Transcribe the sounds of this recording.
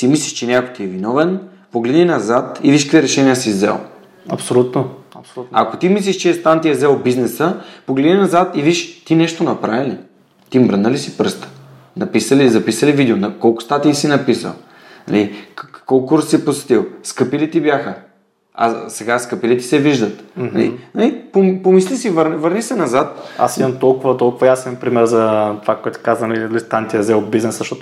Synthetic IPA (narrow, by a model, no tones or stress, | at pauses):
simisliʃt͡ʃɛnʲɛakot̪iɛvinɔvɛn | poɡlɛd̪nʲinɐzat̪iviʃkviɾɛʃɛnʲijəsizɛ̰lˠ | ɐpsolut̪noɐpsa̰kot̪imislʲiʃt͡ʃɛɛst̪ant̪iɛzɛlˠbiznɛsəpoɡlɛd̪nʲinɐzat̪iviʃt̪inɛʃt̪onɐpɾavili | t̪imɾənəlisi̥pɾst̪ə̥ | nɐpisəlizɐpisəlivid̪ɛonɐkɔlˠkʊ̥st̪at̪iisinɐpisə̰lˠ | nɐ̰likolˠkuɾssiposɛ̥t̪ilˠskəpilit̪ibjaxə | a̰sɛɡaskəpilit̪i̥sɛviʒd̪ət̪nɐ̰lḭnɐlipompomislisivəɾnvəɾnisɛnɐzat̪a̰simɐmt̪ɔlˠkʊvɐt̪ɔlˠkʊvɐjasɛnpɾimɛɾzɐt̪vakoɔɛt̪ɛ̥kazɐnɐlilist̪ant̪ʲiɐzɛlbiznɛszɐʃt̪ɔt̪o